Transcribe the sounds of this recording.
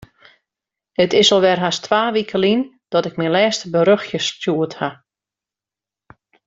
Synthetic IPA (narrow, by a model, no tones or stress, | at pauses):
hətɪsɔlˠʋɛrɦastʰʋaːʋikʰəlin | d̥ɔtɪk̚mɛnlɛːstbəɾøxjəstjuətha